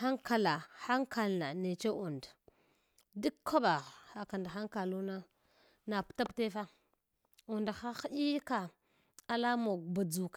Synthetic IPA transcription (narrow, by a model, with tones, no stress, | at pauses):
a˦ŋka˨la˨xa˦ŋka˨lna˨ne˨t͡ʃe˦ʔu˨nd | di˦kkʰːa˦ɓa˨ɣa˨ka˨nda˨xa˦ŋka˨lu˦na˦ | na˨pta˦pte˦fa˦ | u˨nda˨xa˦xɗi˦ka˨ | a˨la˦mo˨ba˨d͡zu˨k